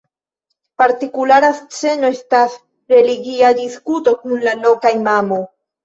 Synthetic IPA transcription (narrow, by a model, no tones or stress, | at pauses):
paɾtikulaɾast͡se̞no̞e̞stas | ɾe̞liɡiadiskuto̞kunlalo̞kajmamo̞j